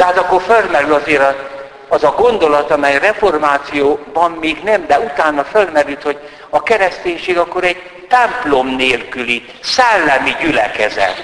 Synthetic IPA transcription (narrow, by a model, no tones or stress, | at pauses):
d̪̥ɛɦaːt̪ɒkːorfølmɛɾylɒzeːɾɒ | ɒzɒɡo̞nd̪o̞lɒt̪ɒmɛjrɛfo̞rmaːt̪sijoːbɒmːeːɡnɛmd̪ɛut̪aːnːɒfølmɛɾylt̪ho̞ɟ | ɒkɛɾɛst̪eːɲʃeːɡɒkːoɾɛɟ | t̪ɛmplo̞mneːlkyli | sɛlːɛmiɟylɛkɛzɛ̰t̪